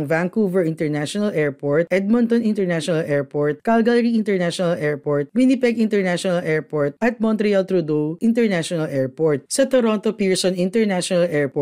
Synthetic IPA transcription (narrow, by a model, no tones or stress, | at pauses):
ŋvaŋkuvɛɹɪ̃nt̪ɛɹnaʃɔnɐlʔɛɹpoɹt̪ʔɛd̪̚mɔnt̪ɔnĩnt̪ɛɹnaʃɔnɐlʔɛɹpoɹt̪̚kalɡalɾiɪ̃nt̪ɛɹnaʃɔnɐlɛɹpoɹt̪̚winipɛɡĩnt̪ɛɹnaʃɔnɐlʔɛɹpoɹt̪̚ʔɐt̪̚mɔnt̪ɾialt̪ɾud̪oʔint̪ɛɹnaʃɔnɐlʔɛɹpoɹt̪̚sɐt̪oɾɔnt̪opiɹsɔnĩnt̪ɛɹnaʃɔnɐlʔɛɹp